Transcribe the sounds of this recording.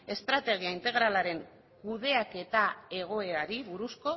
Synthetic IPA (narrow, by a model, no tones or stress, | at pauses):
e̞st̪ɾat̪e̞ɣ̞iaint̪e̞ɣ̞ɾalaɾe̞ŋ | kuð̞e̞ake̞t̪ae̞ɣ̞o̞e̞aɾiβuɾusko̞